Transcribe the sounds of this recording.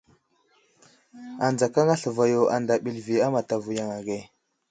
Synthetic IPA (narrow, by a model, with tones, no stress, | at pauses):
a˨nd͡za˨ka˦ŋa˦ɬə˨va˨jo˨a̰˨nda˨ɓi˨lvi˨a˦ma˨ta˨vu˨ja˨ŋa˨ɡe˨